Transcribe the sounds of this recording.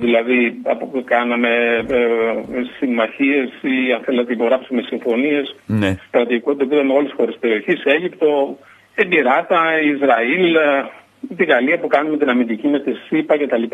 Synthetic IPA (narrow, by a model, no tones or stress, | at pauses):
ðilɐðiɐpopkɐnɐme̞ | simɐçie̞siɐnθe̞lɐt̪eipo̞ɣɾɐpsume̞siɱfo̞nie̞spɾɐt̪ikot̪it̪ot̪iðɐmeo̞lesxo̞ɾespeɾio̞çise̞ʝipt̪o̞ | embiɾɐt̪ɐizɾɐil | t̪iɣɐliɐpukɐnumet̪inɐmind̪icimet̪isipɐce̞t̪ɐlipa